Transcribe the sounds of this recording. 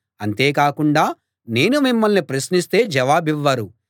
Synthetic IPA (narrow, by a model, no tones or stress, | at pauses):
ɐnt̪e̞ːkaːkuɳɖaː | ne̞ːnumimːɐlnipɾɐsnist̪e̞ːd͡ʒɐʋaːbiʋːɐɾu